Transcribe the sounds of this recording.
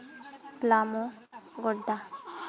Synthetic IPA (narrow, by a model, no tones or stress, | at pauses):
plamo | ɡɔɖːa